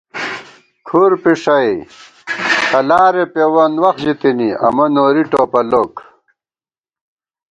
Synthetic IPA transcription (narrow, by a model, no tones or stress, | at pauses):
kʰuɾpiʂɐj | tɐlaːɾepewɐnwɐxd͡ʑit̪iniɐ̰mɐnoːɾiʈoːpɐloːk